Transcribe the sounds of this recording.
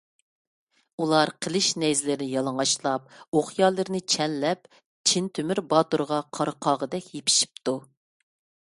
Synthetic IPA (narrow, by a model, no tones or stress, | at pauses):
ulˠɑɾqʰəlˠɨʃnɛjzlɪɾɪnɪjɑlˠəŋɑʃlˠɑp̚oχjɑːlˠɨɾɪnɪt͡ʃʰɛnlɛp | t͡ʃʰint̪ʰymɪɾbɑt̪oɾʁɑqʰɑɾəqʰɑːʁəd̪ɛkʲjepʰi̥ʃi̥p̚t̪u